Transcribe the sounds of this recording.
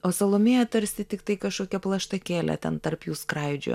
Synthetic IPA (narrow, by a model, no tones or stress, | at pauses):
oːsɐlˠoːmʲejɛt̪ɐɾʲsʲt̪ʲɪt̪ʲɪkt̪ɐɪkɐʃkoːkʲɛplˠɐʃt̪ɐkʲeːlʲɛ̰t̪ʲɛ̰nt̪ɐrpjuːskɾɐɪd͡ʒʲʊ̰ː